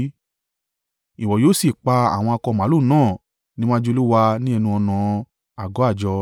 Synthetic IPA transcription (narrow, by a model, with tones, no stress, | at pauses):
i˨wɔ˨joː˦˨si˦˨k͡pa˧a̰˨w̃ɔ̃˧a˧kɔ˧˨mã˨˦lu˦˨nãː˦˨ | nĩ˦m̃ã˦d͡ʒo˧˦lu˦wa˧nĩ˦ɛ˧nũ˧ɔ˧nã˨˧ | a˨ɡɔ˨˦a˦˨d͡ʒɔ˧